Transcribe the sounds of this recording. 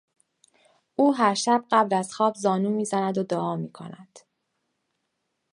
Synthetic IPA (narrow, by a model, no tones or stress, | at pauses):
ʔuːɦæɾʃæb̚ɢæblæzxɒːbzɒːnuːmiːzænæd̪od̪oɒːmiːkʰo̰næ̰d̪̥